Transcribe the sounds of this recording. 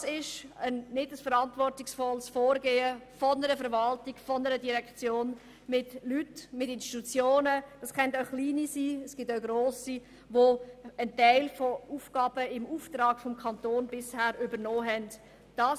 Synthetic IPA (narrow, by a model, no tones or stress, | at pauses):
sɪʃənnɪdəsfəɾɑntvɔrtɪksfɔlsfɔːɾɡeːəfɔnəɾəfɛɾvɑltɪɡfɔnəɾədiɾɛkt͡sjoːn | mɪtlytmɪtɪnstitut͡sjoːnəd̥ɑsχɛntaʊχliːnisiːəsɡ̥ɪtaʊɡɾoːsi | ʋoəntaɪlfouːfɡ̥ɑːb̥əɪmuːftɾɑːkfɔmkʰɑntoːnbɪshæːɾybənɔːɦɛnd | d̥ɑː